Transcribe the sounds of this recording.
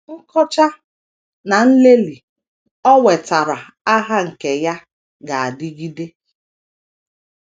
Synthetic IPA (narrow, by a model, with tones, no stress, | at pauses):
ŋ̩˦kɔ˦t͡ʃa˦ | na˨n̩˦le˦li˨ | ɔ˦we˨ta˨ɾa˨ | a˦ɦa˦ŋ̩˨ke˨ja˦ | ɡa˨a˨dɪ˦ɡi˦de˦